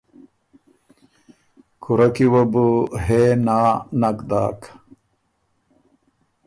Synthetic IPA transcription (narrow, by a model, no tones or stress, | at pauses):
kʰuɾɐkiwɐbuɦeːnaːnɐkd̪a̰ːk